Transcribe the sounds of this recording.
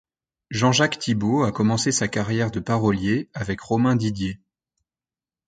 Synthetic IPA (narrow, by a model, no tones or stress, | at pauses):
ʒɑ̃ʒakt̪ʰiboakɔmɑ̃sesakaʁjɛʁd̪əpaʁɔljeavɛkʁɔmɛ̃d̪id̪je